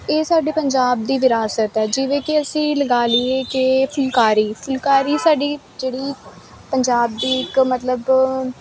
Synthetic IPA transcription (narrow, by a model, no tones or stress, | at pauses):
eːsaːɖeːpəɲd͡ʒaːb̚d̪iːʋɪɾaːsət̪ɛːd͡ʒɪʋẽːkɪəsĩːləɡaːlieːkepʰʊlkaːɾiːpʰʊlkaːɾiːsaːɖiː | d͡ʒeːɽiː | pəɲd͡ʒaːb̚d̪iːɪkmət̪ləb